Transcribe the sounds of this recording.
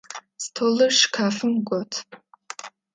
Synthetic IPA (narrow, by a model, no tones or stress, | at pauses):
stʰolɨʂkʰaːfɨmɡʷɔtʰ